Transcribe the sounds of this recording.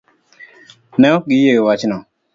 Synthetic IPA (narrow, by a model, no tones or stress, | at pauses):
nɛɔɡɪjewat͡ʃnɔ